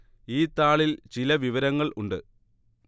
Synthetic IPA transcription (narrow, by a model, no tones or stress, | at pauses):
iːt̪ːaːɭilt͡ɕilɐʋiʋɐɾɐŋːɐɭʔuɳɖɨ